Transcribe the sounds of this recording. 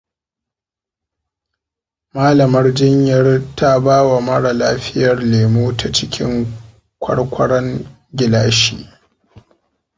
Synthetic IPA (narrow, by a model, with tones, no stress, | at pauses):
maː˦lɐ˨mɐ˦rd͡ʒɪ˦ɲjɐ˦rtʰa˦baː˦wa˨mɐ˦ɽa˨laː˦ɸɪ˦jɐ˨rleː˨moː˦tʰa˨t͡ʃɪ˦kʲʰɪ˦ŋ | kʷʰɐ̰˦ɽkʷɐ˦ɽɐ˦ŋ | ɡʲɪ˨laː˦ʃiː˦˨ʔ